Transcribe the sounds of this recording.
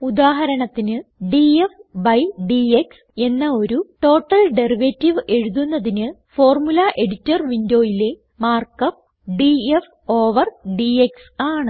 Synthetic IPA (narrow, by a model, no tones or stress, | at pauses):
ud̪aːɦɐɾɐɳɐt̪ːinɨɖiefbɐjɖieks | e̞nːɐo̞ɾuʈo̞ːʈːɐlɖe̞riʋetːiʋe̞ɻuðunːɐðinɨfo̞ːrmulɐʔe̞ɽitːɐrʋindo̞ːjile̞ | maːrkɐp̚ | ɖief | o̞ːʋɐrɖieksaːɳɨ